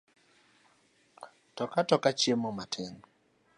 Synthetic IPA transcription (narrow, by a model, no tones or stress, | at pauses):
tɔkatɔkat͡ʃjemomatʰeŋ